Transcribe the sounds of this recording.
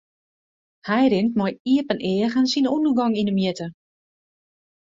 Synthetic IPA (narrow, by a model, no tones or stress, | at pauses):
hɛjɾɪntmɔjiəpənʔɪːəɣənsinundərɡɔŋinəmjɪtə